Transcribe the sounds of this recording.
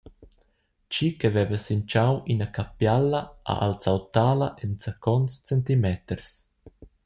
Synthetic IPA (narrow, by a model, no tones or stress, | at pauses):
t͡ʃikɛvɛvəsint͡ʃawinakapjalːɐʔa̰ʔa̰lt͡sawt̪aːlɐʔɛnt͡sakʰɔnt͡st͡sɛnt̪imɛt̪əɾs